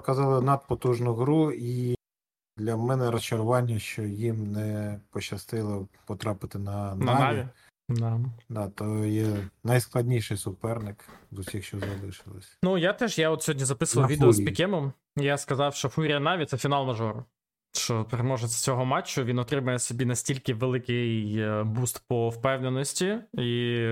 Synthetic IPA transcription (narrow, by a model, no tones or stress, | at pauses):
ɔkɐzɑlˠɪnɐd̪̚pɔt̪uʒnʊɦɾui | d̪lʲɐmɛnɛɾɔst͡ʃɐɾʊʋɑnʲːɐʃt͡ʃɔjimnɛpɔt͡ʃɐst̪ɪlˠɔpɔt̪ɾɑpɪt̪ɪnɐnnɐɑi | d̪ɑd̪ɑt̪ɔjɛnɐjsklˠɐdʲnʲijʃɪjsʊpɛrnɪkzusʲixʃt͡ʃɔzɐlˠɪʃɪlˠɪsʲnujat̪ɛʒjaɔt̪sʲɦɔdʲnʲizɐpɪsʊʋɐlʋʲid̪eɔspʲikʲɛmɔm | jaskɐzɑwʃt͡ʃɔfuɾʲijɐnɑʋʲit̪sɛfʲinɑlˠmɐʒɔɾʊ | ʃt͡ʃɔpeɾemɔʒesʲt͡sʲɔɦɔmɑt͡ʃːʊʋinɔt̪ɾɪmɐjɛsʲɔbʲinɐsʲtʲilʲkɪʋelˠɪkɪjbust̪pɔwpɛwnenɔsʲtʲii